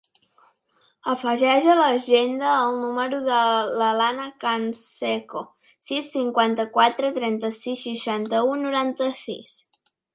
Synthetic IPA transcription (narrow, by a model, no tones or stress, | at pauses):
əfəʒɛʒələʒend̪əːlˠnuməɾuðələlanəkansɛko | sisːiŋkwant̪əkwat̪ɾət̪ɾɛnt̪əsisːəʃant̪əunuɾant̪əsḭs